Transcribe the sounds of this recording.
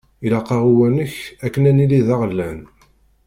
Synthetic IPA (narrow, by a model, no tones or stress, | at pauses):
ilɑqɑʁuwænəçækːənæniliðɑʁəlːæn